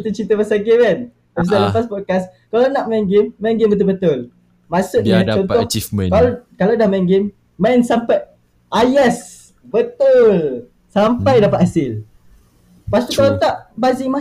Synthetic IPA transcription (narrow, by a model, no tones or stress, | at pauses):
t̪ut͡ʃit̪əmasaɡewɛn | asaləpaspɔd̚kaskalanaʔmɛŋɡemːɛŋɡembət̪̬ʊlbət̪ʊl | mãsʊʔiat͡ʃɔnɔĩkalkalawdahmɛŋɡemː | ansampaj | ʔajɛs | bət̪ul | sampajdapat̪̚hasɪl | past̪ukalat̪aʔbazima